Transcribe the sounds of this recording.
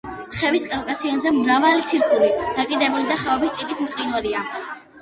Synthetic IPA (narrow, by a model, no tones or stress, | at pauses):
χɛviskʼalkʼasiɔnzɛmɾavalit̪sʰiɾkʼuliɾakʼid̪ɛbulid̪aχɛɔbist̪ʼipʼismqʼinwaɾia